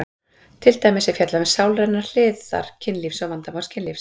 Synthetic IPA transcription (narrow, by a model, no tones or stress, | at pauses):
t̪ʰɪlt̪aːjmɪsɛfjɛt̪lamɛðsaːwlrɛnːar̥l̥ɪːðða̰ɾ̥cʰɪnliːfsɔvant̪aman̥scʰɪnlifs